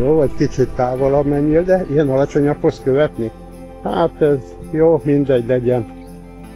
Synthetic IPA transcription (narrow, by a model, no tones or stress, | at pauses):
joːvɒɟkit͡ʃit̪ːaːvolɒbmɛɲːild̪ɛijɛnɒlɒt͡ʃo̞ɲɒkhoskøvɛt̪nik | haːt̪ɛz | joːmind̪ɛɟlɛɟɛn